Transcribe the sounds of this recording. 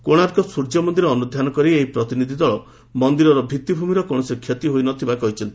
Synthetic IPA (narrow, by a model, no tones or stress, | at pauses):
koɽ̃aɾkɔsuɾd͡ʒɔmɔnd̪iɾeɔnud̪ʱjanɔkɔɾieɦipɾɔt̪inid̪ʱid̪ɔɭɔ | mɔnd̪iɾɔɾɔbʱit̪ːibʱumiɾɔkɔɽ̃ɔsikʰjet̪iɦojnɔt̪ʰibakɔɦit͡ʃʰɔnt̪i̥